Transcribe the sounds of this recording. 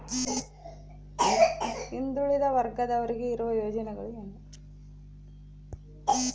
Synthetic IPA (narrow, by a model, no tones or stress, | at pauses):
ind̪ɾuɭid̪ɐʋɐɾɡɐd̪ɐʋɐɾiɡeiɾuʋɐjo̞ːd͡ʒɐnɛɡɐɭuenːɐ